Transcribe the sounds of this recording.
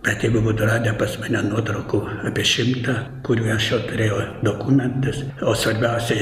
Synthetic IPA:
bʲɛt̪jɛɪɡʊbuːt̪ʊrɑːd̪ʲɪnʲɛpɐsʲmɐnʲɛnuɔt̪ɾɐʊkuːɑːpʲiɛʃʲɪmt̪ɑkʊɾʲuːɐʃjoːt̪ʊɾʲeːjɛːd̪oːkumʲɛnt̪ɐsoːsʋɐɾʲbʲɛʊsʲɛ

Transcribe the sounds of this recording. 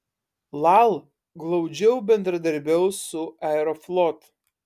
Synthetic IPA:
lˠalˠ | ɡlˠɐʊd͡ʒʲɛwbʲɛnd̪ɾɐd̪ɐɾʲbʲɛwsʊaɛɾoflˠɔt̪

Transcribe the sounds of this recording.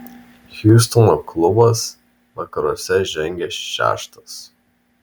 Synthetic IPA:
xʲjuːst̪ɔnɔklˠʊbɐs | ʋɐkɐɾuɔsʲɛʒʲɛŋʲɡʲɛʃʃʲæ̰ːʃt̪ɐs

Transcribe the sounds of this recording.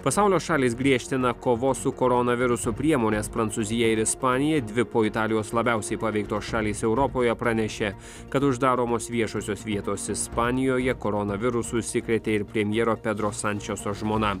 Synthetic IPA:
pɐsɑˑʊlʲoːsʃɑːlʲiːsɡɾʲiɛʃʲt̪ʲɪnɐkoːʋoːsʊkoːɾɔnɐʋʲɪɾʊsupʲɾʲiɛmoːnʲeːspɾɐnt̪suzʲɪjɛɪɾɪspɑːnʲɪjɛd̪ʲʋʲɪpoːɪt̪ɑːlʲɪjoːslˠɐbʲæˑʊsʲɛɪpɐʋʲɛɪk̚t̪oːsʃɑːlʲiːsɛʊɾɔpoːjɛpɾɐnʲɛʃʲeː | kɐt̪ʊʒd̪ɑːɾoːmoːsʋʲiɛʃoːsʲoːsʋʲiɛt̪oːsɪspɑːnʲɪjoːjɛkoːɾɔnɐʋʲɪɾʊsʊsʲɪkɾʲɛt̪ʲeːɪɾpʲɾʲɛmʲjɛːɾoːpʲɛd̪ɾoːsɐnʲt͡ʃʲɛsoːʒmoːnɐ

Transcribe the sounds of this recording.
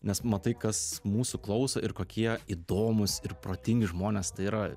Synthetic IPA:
nʲɛsmɐt̪ɐɪkɐsmuːsʊklˠɐʊsɐʔɪɾkoːkʲiɛiːd̪oːmʊsɪrpɾoːt̪ʲɪŋʲɡʲɪʒmoːnʲeːst̪ɐɪiːɾɐ

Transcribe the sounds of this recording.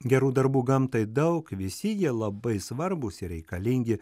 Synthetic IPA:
ɡʲɛɾuːd̪ɐɾbuːɡɐmt̪ɐɪd̪ɐʊkʋʲɪsʲɪjiɛlˠɐbɐɪsʋɐɾbʊsʲɪɾʲɛɪkɐlʲɪŋʲɡʲɪ

